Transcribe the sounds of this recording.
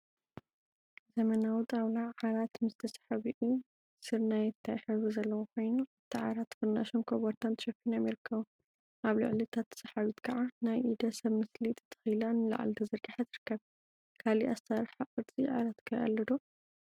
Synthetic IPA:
zɐmɐnawut̪ʼawlaʕaɾat̪mɨzt̪ʰɐsḁħaβiʔu | sɨɾnajɛt̪ʰːajħɨβizɐlːɐwokʰo̞jnuɨt̪ʰiʕa̰ɾat̪ʰfɨɾna̰ʃonkʰoβoɾt̪ʰant̪ɨʃɐfinamiɾɨkʰːɐβu | ʔaβlɨ̰ʕlit̪ʰat̪ʰːɐ̥sħaβit̪kʰɐʕanajʔid̪ɐsɐβmɨslit̪ʰʼɨ̥t̪ʰːɐ̥xɨjlanɨla̰ʕ̰lt̪ʰɐzɨɾɡaħazɨɾɨkʰːɐβ | kʰaliʔast̪ʰaɾħakʼɨd̪t͡sʼiʕa̰lat̪kʰɐjʔɐ̰lːɐd̪o

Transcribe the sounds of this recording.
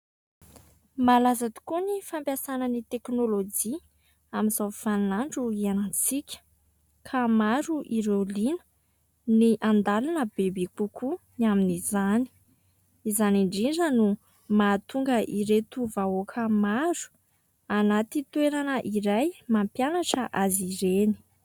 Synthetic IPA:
malazat̪i̥kunifampjasanənit̪eknolod͡ʒi | aminzawfannaɳɖ͡ʐuianət͡sikʲə̥ | kʰamaɾuʔiɾelinə̥ | niʔand̪alanəbebekukunaminizani̥ | izaniɳɖ͡ʐiɳɖ͡ʐənu | mat̪uŋɡəʔiɾet̪uvaokʰəmaɾu̥ | anat̪it̪weɾanəʔiɾajmampjanaʈ͡ʂəʔaziɾeni̥

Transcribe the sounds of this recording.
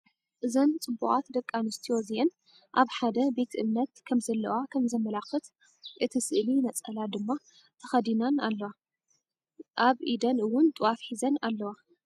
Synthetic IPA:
ʔɨzɐnt͡sʼɨbːuχʼat̪d̪ɐkʼːanɨst̪ʰijoziʔɛn | ʔaβħad̪ɐbe̞t̪ʰʔɨmnɐt̪kʰɐmzɐlːɐwakʰɐmzɐmːɐlakɨt̪ | ʔɨt̪ʰisɨʔlinɐt͡sʼɐlad̪ɨmːa | t̪ʰɐxɐd̪inanalːɐwa | ʔaβʔid̪ɐnɨwːʊnt̪ʼɨwafħizɐnalːɐwa

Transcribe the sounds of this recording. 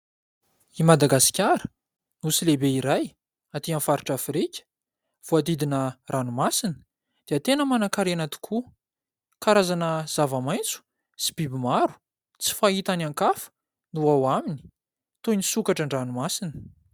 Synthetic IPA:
imad̪aɡasi̥kʲaɾə̥ | nusilebeiɾaj | at̪ianfaɾiʈ͡ʂafɾikʲə̥ | v̥oad̪id̪inərʔanumasinə̥ | d̪̥eət̪enəmanakaɾianat̪i̥kʰu | kaɾazanəz̥avamajnt͡su̥ | si̥bibimaɾu̥ | t͡si̥fait̪anaŋkafə̥ | nuawamini̥ | t̪oinisukaʈ͡ʂəɳɖ͡ʐanumasinə̥

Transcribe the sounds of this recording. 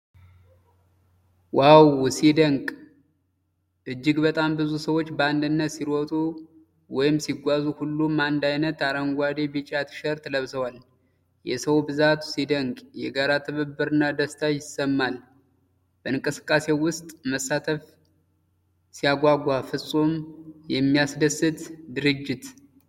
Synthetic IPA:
wawsid̪əŋkʼ | ʔɨd͡ʒːɪɡbət̪ʼambɨzusəwo̞t͡ʃːbəand̪ɨnːət̪siɾɔt̪ʼu | wɔjɪmsiɡʷazuhulːumand̪ajnət̪aɾəŋɡʷad̪e̞bɨt͡ʃʼat̪ʰɨ̥ʃəɾt̪ʰələβsəwal | jɛsəwbɨzat̪sid̪əŋɡʼjɛɡaɾat̪ʰəβəbːɨɾɨnːad̪əst̪ʰajɪsːəmːal | b̥əɨŋkʼɨsɨ̥kʼːase̞wʊst̪ʼməsːat̪ʰəf | sijaɡʷaɡʷafɨsʼomjɛmːijasd̪əsɨt̪d̪ɨɾɨd͡ʒːɪt̪

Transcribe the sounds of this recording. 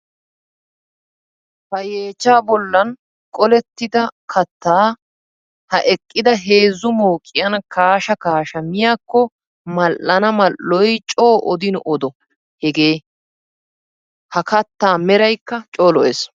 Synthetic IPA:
fɐjeːt͡ʃːaːbɔlːɐn | kʼɔlɛt̪ːɪd̪ɐkʰɐt̪ːaː | hɐʔɛkʼːɪd̪ɐɦe̞ːzːʊmoːkʼːɪjɐnkaːʃɐkaːʃɐmɪjaːkːɔ | mɐlːɐnɐmɐlːɔjt͡ʃʼoːʔɔd̪ɪnʊʔɔd̪ɔ | hɛɡeː | hɐkɐt̪ːaːmɛɾɐjkːɐt͡ʃʼoːlɔeːs

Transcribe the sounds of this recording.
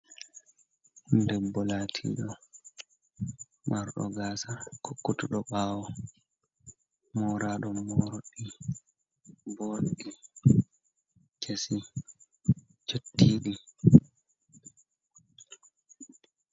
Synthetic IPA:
ndɛbːɔlaːtʰḭɗɔ | maɾɗɔ̰ɡaːsakʰokːutuɗɔɓaːwɔ | mɔɾaɗɔmɔɾoɗːi | bɔɾɗi | t͡ʃʰesi | t͡ʃotːiːɗi

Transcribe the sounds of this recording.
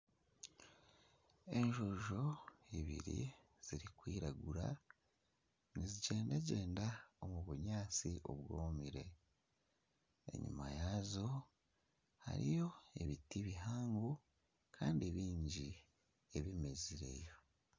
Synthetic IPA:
e̞ɲʒoʒo̞iβḭɾḭ | z̥iɾikwiːɾaɡuɾa̰ | niziɟe̞ːndaɟe̞ːndao̞muβuɲaːt͡siʔo̞̰βwo̞ːmiɾe̞ | ḛɲṵmajazo̞ | ha̰ɾḭjo̞e̞βitiβiɦaːŋɡu | kʰaːndiβiːɲɟi | e̞βime̞ziɾe̞̰jo̞

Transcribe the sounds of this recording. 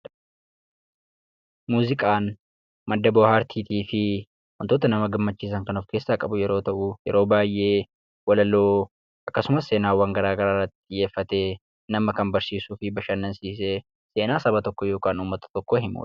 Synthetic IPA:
muːzɪkʼaːn | mɐd̪ːɐbɔːhaːɾt̪ʰiːt̪iːfɪ | wɐnt̪o̞ːt̪ɐnɐmɐɡɐmːɐt͡ʃːiːs̬ɐŋkɐnɔfke̞ːsːaːkʼɐbʊjɛɾo̞ːt̪ɐʔʊjɛ̰ɾo̞ːbaːjʔe̞ː | wɐlɐloː | ʔɐkːɐsʊmɐsːe̞ːnaːwːɐŋɡɐɾaːɡɐɾaːrːɐt̪ːɪje̞ːfːɐt̪eː | nɐmɐkɐnbɐɾsiːsuːfɪbɐʃɐnːɐnsiːs̬eː | se̞ːnaːsɐbɐt̪ɔkːɔjo̞ːkʼaːnuːmːɐt̪ɐ̥t̪ɔkːoːɦɪmṵːᶑ

